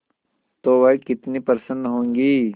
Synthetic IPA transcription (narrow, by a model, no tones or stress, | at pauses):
t̪oːʋɐikɪt̪nipɐɾsə̃nd̪ɦõːŋɡiː